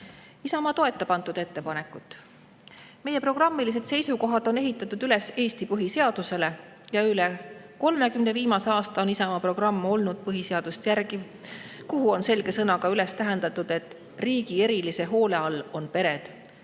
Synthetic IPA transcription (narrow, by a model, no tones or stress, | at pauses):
isɑmɑt̪o̞e̞t̪ːˑepɑnt̪ˑud̪̥e̞t̪ːe̞pɑne̞kːˑut̪ːˑ | me̞je̞pro̞ɡ̥rɑmːilis̬e̞d̪se̞jsuko̞ɦɑd̪̥o̞ne̞ɦit̪ːˑɑt̪ːˑud̪yle̞se̞ːst̪ipɤɦise̞ɑd̪̥use̞le̞ | jɑyleko̞lme̞kymne̞viːmɑse̞ɑːst̪ɑonisɑmɑpro̞ɡ̥rɑmːo̞lnud̪̥̚pɤɦise̞ɑd̪̥ust̪jærki | kuɦuo̞nse̞lɡ̥e̞sɤnɑɡɑylest̪æɦe̞nd̪ɑt̪ːˑud̪̥e̞t̪ːˑ | riːɡie̞ɾilise̞ɦo̞ːle̞ɑlːo̞npe̞ɾe̞d̪̥